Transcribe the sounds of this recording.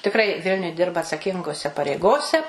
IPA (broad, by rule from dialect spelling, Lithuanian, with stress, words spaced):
tʲɪkˈrɐɪ ˈʋʲɪlʲnʲʊj ˈdʲɪrbɐ ɐtsɐˈkʲɪŋɡoːsʲɛ pɐrʲɛɪˈɡoːsʲɛ